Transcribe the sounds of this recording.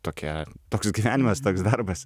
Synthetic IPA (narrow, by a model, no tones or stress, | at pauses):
t̪oːkʲɛt̪oːksɡʲiʋʲæːnʲɪmɐst̪oːksd̪ɐɾbɐs